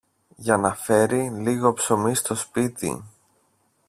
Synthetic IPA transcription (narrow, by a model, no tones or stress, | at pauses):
ʝɐnɐfe̞ɾiliɣo̞pso̞mist̪o̞spit̪ḭ